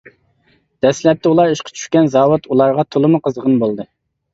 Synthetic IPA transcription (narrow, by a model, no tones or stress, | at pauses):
d̪̥ɛslɛp̚t̪ʰɪulˠɑɾiʃqʰɑ̥t͡ʃʰy̥ʃkʲɛnzɑːwut̪ulˠɑɾʁɑt̪ʰolˠɨmʊqʰəzʁənbolˠd̪ɨ